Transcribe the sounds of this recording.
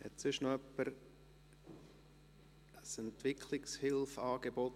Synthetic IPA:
hɛ̰tsʏʃnoœpːəɾ | əsɛntvɪkʰlɪkshɪlfɑːɡ̥ebɔt

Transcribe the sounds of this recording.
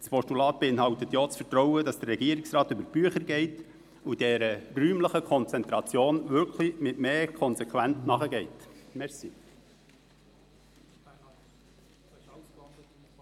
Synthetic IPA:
spɔʃtulɑːt̚b̥eɪnɦɑʊtətjoːt͡sfətɾɔwədɑsd̥ərɛɡiəɾiksrɑːt̪ʏbəɾb̥yəχəɾɡɛɪt | ud̥ɛɾəryːmləχəkʰɔnt͡sɛnt̪ɾɑt͡sjoːnʋʏɾkʰlimɪtmeːkʰɔnsɛkχʋæntnɑχəɡɛɪtmɛɾsi

